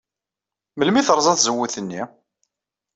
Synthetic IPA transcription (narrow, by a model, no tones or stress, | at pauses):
məlmiθəɾˤzˤɑθzəwːuθənːi